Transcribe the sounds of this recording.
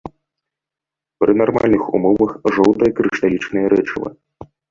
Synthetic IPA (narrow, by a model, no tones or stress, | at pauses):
pɾɨnarma̰lʲnɨxṵmɔvɐxʐɔwt̪ɐjɐkɾɨʂt̪alʲit͡ʂnɐjɐɾɛt͡ʂɨlˠɐ̰